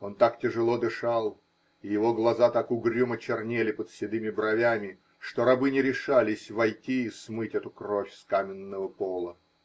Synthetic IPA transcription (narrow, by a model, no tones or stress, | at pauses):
o̞nt̪aktʲɪʐɨlˠo̞d̪ɨʂalˠ | ɪjɪvo̞ɡlˠɐzat̪akʊɡɾʲumət͡ɕɪrnʲelʲɪpət̪sʲɪd̪ɨmʲɪbɾɐvʲamʲɪ | ʂt̪oɾɐbɨnʲɪɾʲɪʂalʲɪsʲvɐjtʲiːsmɨtʲɛt̪ʊkrofʲskamʲɪnːəvəpolˠə